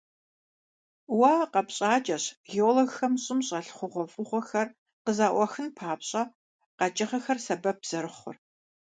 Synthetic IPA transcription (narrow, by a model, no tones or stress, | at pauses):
waːqɐpɕʼaːt͡ʃʼɐɕɣeoloɣxɐmɕʼɪmɕʼɐɬχʷʊʁʷɔfʼʊʁʷɔxɐr | qəzaːʔʷɐxɨnpʰaːpɕʼɐ | qɐt͡ʃʼɐχɐxɐrsɐbɐp̚z̥ɐɾɨχʷʊ̰r